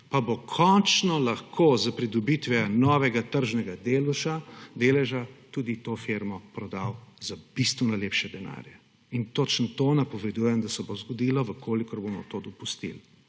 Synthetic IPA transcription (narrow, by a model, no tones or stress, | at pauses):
pabokʰɔnt͡ʃnɔlaxkʰoːzapɾid̪ɔbit̪ʋɛnɔːʋɛɡat̪əɾʒnɛɡad̪elʃad̪eːlɛʒat̪uːd̪it̪ofeɾmɔpɾɔd̪awzab̥ist̪ʋɛnɔleːpʃɛd̪ɛna̰ːɾja | int̪ot͡ʃnt̪oːnapɔʋɛd̪ujɛmd̪asɛbozɡɔd̪iːlɔʋəkʰoːlikɔɾbomɔ̰t̪oːd̪ɔpust̪ḭl